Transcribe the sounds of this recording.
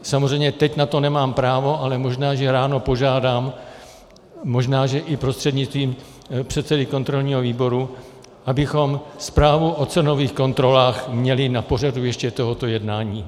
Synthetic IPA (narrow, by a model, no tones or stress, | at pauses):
samozr̝ɛjmɲɛt̪ɛcnat̪o̞nɛmaːmpɾaːvo̞alɛmo̞ʒnaːʒɛɾaːno̞po̞ʒaːdaːm | o̞ʒnaːʒɛʔɪpɾo̞st̪r̝̥ɛd̪ɲɪt͡st̪viːm | pr̥ɛt̪sɛdɪko̞nt̪ɾo̞lɲiːɦoviːbo̞ɾu | ʔabɪxo̞mspɾaːvuʔot͡sɛno̞viːxko̞nt̪ɾo̞laːxmɲɛlɪnapo̞r̝adujɛʃcɛt̪o̞ɦo̞t̪o̞jɛdnaːɲiː